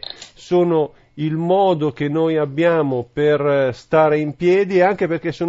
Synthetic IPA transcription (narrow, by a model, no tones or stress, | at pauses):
soːno | ilmɔːd̪ok̟enːojabːjaːmoperst̪aːɾeimpjɛːd̪ieaŋkeperkesːoː